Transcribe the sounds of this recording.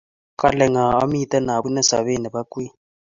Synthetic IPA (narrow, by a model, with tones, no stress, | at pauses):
kʼa˦lɛ˨ŋa˨a̰˦m˦i˦tʼɛ˦na˨ɓu˦nɛ˦sa̰˨ɓe˦ni˨ɓa˦kʼwi˦